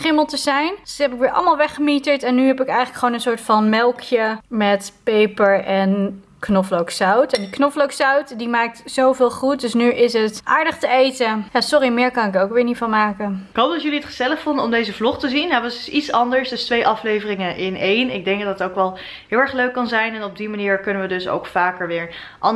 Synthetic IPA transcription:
χɪməlˠtəzɛjnɛpɪkʋɪːɹʔɑ̰lˠmaːlˠʋɛχəmitəɹtɛnːyɦɛpɪkɛjxχələkχʋownənsʊːɹtfɑnmɛlˠkʰjəmɛtpejpəɹɛn | knɔflowksawtɛndiknɔflowksawtdimaːk̚tzowvɪːlˠχut̚dɵsnyʔɪsɦətʔaːɹdəχtəejtəjaːsɔrimɪːɹkɑnɪkowkʋɪːɹnifɑnmaːkənɪkɦowp̚ɑtjɵliətχəz̥ɛləχfɔndəɔmdejzəvlɔχtəzinjaʋɑsitsɑndəɹsdɵstʋejʔɑflejvərɪŋəʔɪnejnɪɡ̚dɛŋɡ̚dɑttowkʋɛlˠ | ɦɪːlˠɛɹχløɥkːɑnzɛjnɛnɔb̚dimaniːɹkɵnəʋədɵso̰wkfaːkəɹʋɪːɹʔɑ

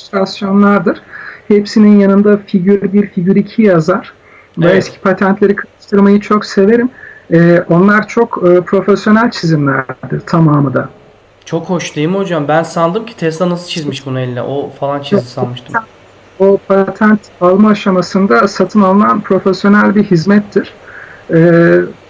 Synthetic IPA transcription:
st̪ɾasjo̞nlˠaɾd̪ɯɾ̥hepsininjanɯnd̪afiɟyɾbiɾfiɟyɾicʰijazaɾ̥ | vɛɛscʰi̥pʰat̪ʰænt̪ʰlʲe̞ɾikʰaɾɯʃt̪ʰɯɾmajɯt͡ʃʰo̞kse̞ve̞ɾimɛːʔo̞nlˠaɾt͡ʃʰo̞kɯːpʰɾo̞fesjo̞nælʲt͡ʃʰizimlʲæ̰ɾɾd̪iɾ̥t̪ʰamaːmɯd̪a̰ | t͡ʃʰo̞kho̞ʃlˠajɯmho̞d͡ʒambænsand̪ɯmcʰi̥t̪ʰɛst̪anasɯt͡ʃʰizmiʃbunuelʲinʲɛ̰ʔofalˠant͡ʃʰizisanmɯʃt̪ʰɯm | opʰat̪ʰænt̪alˠmaːʃamasɯnd̪asat̪ʰɯnalˠɯnanpʰɾo̞fɛsjo̞nælʲbiɦizmɛt̪ʰːiɾ̥ɛː

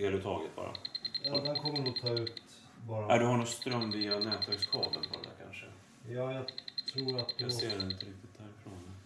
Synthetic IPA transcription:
eːlət̪ʰɑ̰ːɡət̪̚bɑ̰ːɾa̰d̪ɛnkʰɔmːəɾɔt̪ʰɑːʉ̟ːt̪ | bɑːɾaæɖɵhaɳost̪ɾœmvianɛːt̪væɾkskʰɑ̰ːd̪ə̰nfʰɔ̰ɾ̰d̪æ̰ɾkʰa̰nʂə | jɑːjɑt̪ʰɾuːɾat̪d̪seːɾɛɪnt̪əɾɪk̚t̪ɪt̪̚d̪æːɾɪfɾonːə

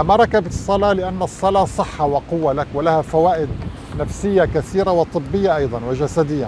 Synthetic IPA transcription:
maɾˤɑkabsˤːɑlɑːlɪʔanːsˤːɑlɑːsˤɨħːɑwɪqʊwːalakwɪlahafawaːʔɪd̪̚ | nafsɪjːakaθiːɾawɪt̪ˤɨbːɪjːaʔɑjd̪ˤɑnwɪʒasad̪ɪjːa

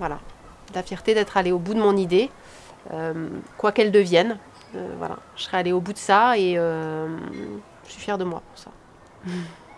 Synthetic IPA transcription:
vwala̰ | əlafjɛʁt̪ed̪ɛt̪χaleobud̪əmɔ̃nid̪e | ømkwakɛld̪əvjɛn | ø̰vwa̰la̰ʒə̥sχɛaleobud̪əsaeøm | ʒə̥sɥifjɛʁd̪əmwa̰puʁsa̰

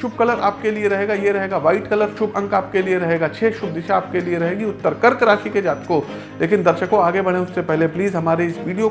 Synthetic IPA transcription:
ʃʊb̚kɐləɾaːp̚kelieɾɐɦeːɡajeɾɐɦeːɡaʋaːɪʈkɐləɾʃʊbɐ̃ŋkaːp̚kelieɾɐɦeːɡat͡ʃʰeːʃʊb̚d̪ɪʃaaːp̚kelieɾɐɦẽːɡiʊt̪ːəɾkəɾkɐɾaːʃiked͡ʒaːt̪ko | leːkɪnd̪ɐɾʃəkõaːɡebɐɽ̃ẽʊssepɛɦlepliːzɦɐmaːɾeɪsʋiːɖijo

